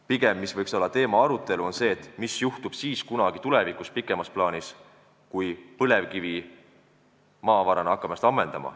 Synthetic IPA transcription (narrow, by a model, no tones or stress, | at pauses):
piɡ̥e̞mːisvɤjkso̞lːɑt̪e̞ːmɑɑɾut̪ːˑe̞luo̞nse̞ːt̪ːmisjuht̪ub̥siːskunɑɡ̥it̪ule̞vikˑuspikːˑe̞mɑsplɑːnis | kujpɤle̞vkivi | mɑːvɑɾɑnɑkːˑɑmɑst̪ɑmːe̞nd̪̥ɑ̰mɑ̰